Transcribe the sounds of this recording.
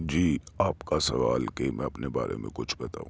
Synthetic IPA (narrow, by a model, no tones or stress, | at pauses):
d͡ʒiːaːpkasɐʋaːlkemʔɛ̃ːɐpnebaːɾḛmḛ̃kʊt͡ʃʰbɐt̪aːũ